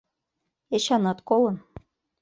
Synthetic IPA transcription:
eɕɑnɑt̪kolɤ̆n

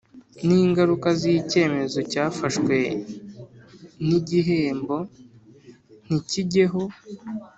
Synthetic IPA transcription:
niːŋɡaɾukazijice̞ːme̞zo̞caːfaʃkwe̞ | niɟiɦe̞ːmbo̞ | n̥iciɟe̞ɦo̞

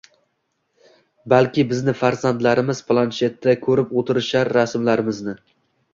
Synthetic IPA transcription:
balkʲɪbɪznɪfaɾzand̪laɾɪmɪz̥pʰlˠanʃe̞t̪ːakʲʰɵɾɪpot̪ʰɪɾɪʃaɾːasmlaɾɪmɪznɪ

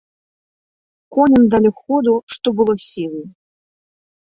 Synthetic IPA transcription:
kɔnʲəmd̪alʲikxɔd̪uʂt̪ɔbɨlˠɔsʲilˠɨ

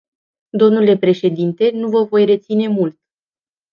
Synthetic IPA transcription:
d̪o̞mnule̞pɾe̞ʃe̞d̪int̪e̞nuvəvo̞jre̞t̪sine̞mult̪̚

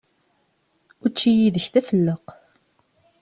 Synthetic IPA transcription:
ʊɾt͡ʃːijiðəçθæfəlːəq

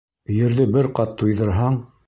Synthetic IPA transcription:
jɘ̆ɾðɘbɘɾqɑt̪ːujðɤ̆ɾɦɑɴ

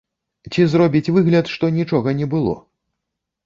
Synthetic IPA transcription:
t͡sʲizrɔbʲit͡sʲvɨɣlʲɐt̪ʂt̪ɔnʲit͡ʂɔɣɐnʲɛbɨlˠɔ̰

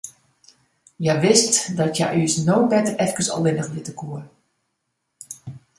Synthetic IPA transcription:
jaʋɪstdɔtja̰ʔyəsnowbɛtərɛfkəsɔ̰lˠʋɪnəxʋɪtəkʰuər

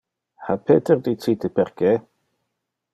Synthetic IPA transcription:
hapʰɛdɛrditʰiːdəbɛrɡɛ

